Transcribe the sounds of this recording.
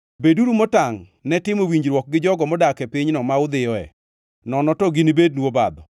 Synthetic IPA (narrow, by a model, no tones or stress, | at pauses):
beduɾumɔtaŋ | nɛtɪmowiɲd͡ʒɾwɔk̚ɡɪd͡ʒɔɡɔmɔdakɛpiɲnɔmaʊd̪ɪjɔɛ̰ | nɔnɔtɔɡinibed̚nwobad̪ɔ